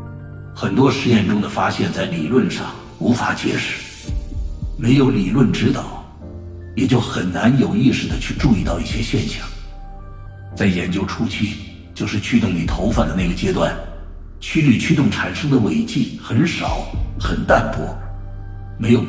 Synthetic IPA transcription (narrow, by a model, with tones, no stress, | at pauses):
xə˨˩nt̪wɔ˥ʂɻ̩˧˥jɛ˥˩nʈ͡ʂʊ˥ŋd̪ə˨fa˥ɕjɛ˥˧nt͡sa˥˩ɪli˨˩lwə˥˧nʂɑ̰˥˩ŋ | u˧˥fa˧˥t͡ɕjɛ̰˧˥ʂɻ̩˨˩˦ | me˧˥ɪjo˧˥ʊli˨˩lwə˥˩nʈ͡ʂɻ̩˥t̪ɑ˨˩ʊ | jɛ˨˩t͡ɕjo˥˩ʊxə˨˩nna˧˥njo˨˩ʊi˥˧ʂɻ̩˥˩d̪ə˩t͡ɕʰy˥˧ʈ͡ʂu˥˧i˥˧t̪ɑ˥˧ʊi˥˩ɕjɛ˥ɕjɛ˥˧nɕjɑ˥˩ŋ | t͡sa˥˩ɪjɛ˧˥nt͡ɕjo˥ʊʈ͡ʂʰu˥t͡ɕʰi˥˩ | t͡ɕjo˥˧ʊʂɻ̩˥˧t͡ɕʰy˥t̪ʊ˥˩ŋni˨˩t̪ʰo˧˥ʊfa˥˩nd̪ə˩˦na˥˩ɡə˩t͡ɕjɛ˥t̪wa˥˩n | t͡ɕʰy˥ly˥˩t͡ɕʰy˥t̪ʊ˥˩ŋʈ͡ʂʰa˨˩nʂɤ˥ŋd̪ə˨we˧˥˩ɪt͡ɕi˥˩xə˧˥nʂɑ˨˩˦ʊxə˨˩nt̪a˥˧npʰwɔ˥˩ | me˧˥ɪjo˨˩ʊ